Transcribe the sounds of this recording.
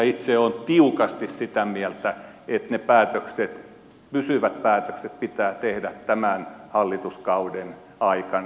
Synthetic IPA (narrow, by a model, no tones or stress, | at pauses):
it̪seont̪iukɑst̪issit̪æmiælt̪æ | et̪nepæːt̪økset̪ | pysyʋæt̪̚pæːt̪økset̪̚pit̪æːt̪ehdæt̪tæmænhɑlːit̪uskɑuden | ɑikɑn